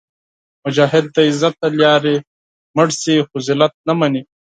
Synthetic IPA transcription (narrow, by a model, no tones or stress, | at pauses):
mʊd͡ʒaːɦɪd̪̚ːɐizɐt̪̚ːɐljaːɾi | mɐɽsixʊzilɐt̪̚nɐmɐni